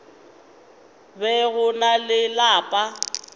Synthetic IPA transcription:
bɛɣʊnalɪlaːpʼa

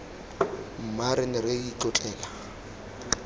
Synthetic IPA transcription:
m̩maɾɪnɪreit͡ɬɔt͡ɬʼɛːla

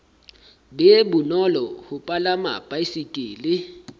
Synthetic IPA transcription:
bɛbunɔlɔhʊpʼalama̰pʼaisikʼiːli

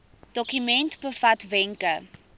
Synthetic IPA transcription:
d̥ɔkymɛntbəfɐtvɛŋkə

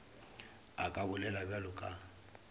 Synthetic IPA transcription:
akʼabʊlɛlabalʊkʼa

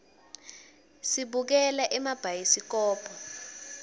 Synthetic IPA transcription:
siɓuk̬ɛlaʔɛmab̥ʱajisik̬ɔːpʰɔ

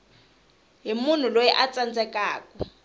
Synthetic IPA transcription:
ɦimun̤ulojɛʔat͡sand͡zɛkaːkɔ

